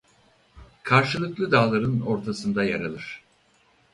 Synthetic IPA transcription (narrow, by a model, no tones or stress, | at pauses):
kʰaɾʃɯlˠɯklˠɯd̪aːlˠaɾɯno̞ɾt̪ʰasɯnd̪ajaɾalˠɯɾ̥